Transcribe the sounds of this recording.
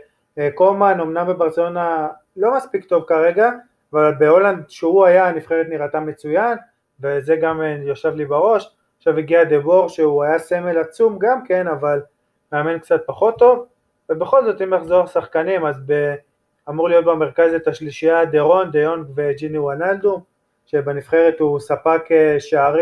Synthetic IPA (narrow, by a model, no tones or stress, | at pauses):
ko̞mano̞mnambebaʁt͡selo̞na | lo̞maspikt̪o̞vkaʁe̞ɡaː | valbe̞o̞land̪ʃeuajanifχeʁet̪niʁat̪anme̞t͡sujan | veze̞ɡamjoʃavlibaʁo̞ʃ | aχʃaviɡiad̪ebo̞ʁʃeuajase̞me̞lat͡sumɡamke̞naval | meamenkt͡sat̪̚paχo̞t̪ːo̞v | vebe̞χo̞lzo̞t̪imlaχzo̞ʁsaχkanimazbe | amuʁlijo̞t̪̚beme̞ʁkazet̪aʃliʃiad̪eʁo̞nd̪eonkved͡ʒiniwonald̪u | ʃebenifχe̞ʁet̪usapakeʃaaʁ